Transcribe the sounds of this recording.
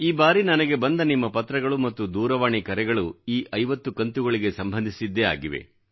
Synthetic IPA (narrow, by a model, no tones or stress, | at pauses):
iːbaːɾinɐnɐɡe̞bɐnd̪ɐnimːɐpɐt̪ːɾɐɡɐɭumɐt̪ːud̪uːɾɐʋaːɳikɐɾɛɡɐɭuiːʔɐjʋɐt̪ːukɐnt̪uɡɐɭiɡe̞sɐmbʱɐnd̪ʱisid̪ːea̰ːɡiʋḛ